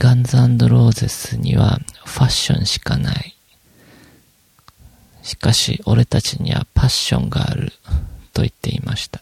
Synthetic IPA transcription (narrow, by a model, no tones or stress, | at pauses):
ɡ̥ãnzɨãnd̪o̞ɾo̞ːze̞sɨɲ̟iβaɸaɕːõ̞̰ɰ̃ɕi̥kanai | ɕi̥kaɕio̞ɾe̞t̪at͡ɕiɲ̟iβa̰paɕːõ̞̰ŋɡaːɾɯ̟t̪o̞it̪ːe̞imaɕi̥t̪ḁ